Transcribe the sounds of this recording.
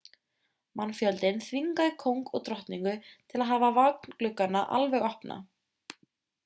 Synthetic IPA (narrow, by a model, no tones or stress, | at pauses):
manːfjœlt̪ɪnθviŋkaðɪkʰowŋkɔɣt̪ɾɔht̪niŋkʏt̪ʰɪlaðɦaːvavak̚n̥klʏkːanːaʔalvɛɣɔhpna̰